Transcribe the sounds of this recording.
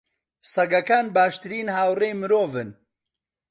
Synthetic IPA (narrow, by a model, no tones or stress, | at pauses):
sɐɡɐkaːnbaːʃt̪ɨɾiːnhaːwreːmɨɾoːvɨn